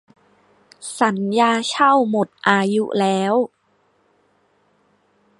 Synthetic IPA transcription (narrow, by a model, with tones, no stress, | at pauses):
sa˩˦njaː˧t͡ɕʰa˥˩wmo˨˩t̪̚ʔaː˧ju˦˥lɛː˦˥w